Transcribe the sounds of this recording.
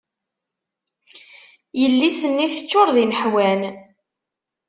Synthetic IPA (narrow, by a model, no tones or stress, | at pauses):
jəlːisənːiθət͡ʃːoɾˤðinəħwæn